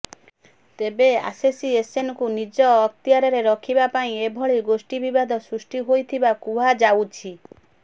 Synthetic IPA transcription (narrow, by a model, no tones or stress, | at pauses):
t̪ebea̰sesiesenɔkunid͡ʒɔːk̚t̪iaɾɔɾeɾɔkʰibapaĩebʱɔɭiɡosʈibibad̪ʱɔsɾusʈiɦojt̪ʰibakuad͡ʒawt͡ʃʰi